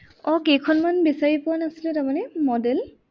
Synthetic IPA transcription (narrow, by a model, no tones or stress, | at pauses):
ɔkekʰɔnmanbisaɹipʊanasilɛtamanɛmɔdɛl